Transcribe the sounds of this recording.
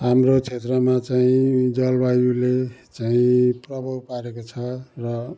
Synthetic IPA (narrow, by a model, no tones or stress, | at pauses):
ɦamrot͡sʰet̪rʌmat͡saĩd͡zʌlbajulet͡saĩprʌbʱʌwpaɾekot͡sʰʌrʌ